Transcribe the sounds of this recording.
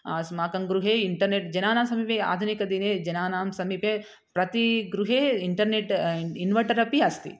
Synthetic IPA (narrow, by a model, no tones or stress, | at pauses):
asmaːkɐŋɡɾuɦeːiɳʈɐɾneʈd͡ʒɐnaːnaːmsɐmiːpea̰ːd̪ʱunikɐd̪ineːd͡ʒɐnaːnaːmsɐmiːpe | pɾɐt̪iɡɾuɦeːiɳʈɐɾneʈinʋɐʈɐɾɐpiɐst̪ḭ